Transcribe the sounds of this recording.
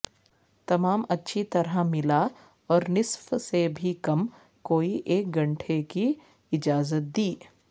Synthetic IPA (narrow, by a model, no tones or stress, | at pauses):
t̪ɐmaːmɐtːʃʰit̪ɐɾamɪla | ɔːɾnɪsfsebʱikɐm | koːiʔeːk̚ɡɐ̃ɳʈʰeki | ɪd͡ʒaːzət̪̚d̪iː